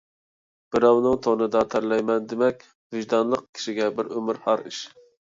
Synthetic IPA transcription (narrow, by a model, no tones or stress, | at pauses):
b̥ɪɾɑwnɨŋt̪ʰonɨd̪ɑt̪ʰæɾlɛjmɛnd̪ɪmɛkʲ | vɪʒd̪ɑnlˠəqkʲʰi̥ʃiɡʲɛbɪɾømɪɾhɑɾiʃ